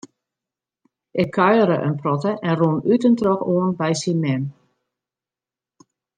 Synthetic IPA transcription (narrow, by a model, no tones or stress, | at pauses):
ʔɪkʰːœɥəɾəʔə̰nprɔtəʔɛnrunytəntrɔxoənbɛjsinmɛn